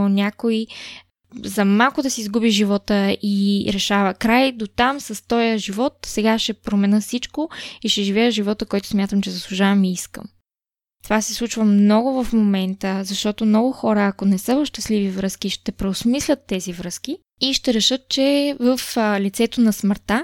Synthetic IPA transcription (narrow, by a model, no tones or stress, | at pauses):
nʲakoi | zɐmalˠkʊd̪ɐsiːzɡubiʒivɔt̪əiɾɛʃavəkɾajd̪ot̪amsɐst̪ɔjəʒivɔt̪sɛɡaʃɛpɾomɛnɤsit͡ʃkoiʃɛʒivɛjəʒivɔt̪əkɔjt̪ʊ̥smʲjat̪əmt͡ʃɛzɐslˠuʒavɐmiiskə̰m | t̪ovasislˠut͡ʃvəmnɔɡʊvɐfmomɛnt̪əzɐʃt̪ɔt̪omnɔɡʊxɔɾəːkonɛsɤvɐfʃt̪ɐslivivɾɤsk̟iʃt̪ɛpɾɛosmislʲət̪ːɛzivɾɤsk̟i | iʃt̪ɛɾɛʃɤt̪̚t͡ʃɛvəflit̪sɛt̪onɐsməɾt̪a